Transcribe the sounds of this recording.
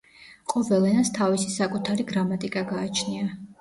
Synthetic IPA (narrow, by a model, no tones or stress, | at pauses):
qʼɔvɛlɛnast̪ʰavisisakʼut̪ʰaɾiɡɾamat̪ʼikʼaɡaːt͡ʃʰnia